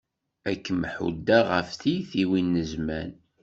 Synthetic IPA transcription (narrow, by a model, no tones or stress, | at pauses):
ækːəmħṵd̪ːæʁəfθiθiwinːəzmæn